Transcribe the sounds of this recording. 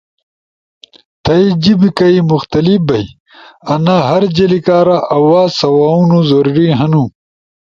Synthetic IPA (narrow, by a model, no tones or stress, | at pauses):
t̪ʰɐid͡ʑibikɐimuxt̪ɐlifbɐj | ɐnaːɦɐɾd͡ʑɐlikaːɾaʔɐwaːsɐwaːunuzoɾɾiɦɐnu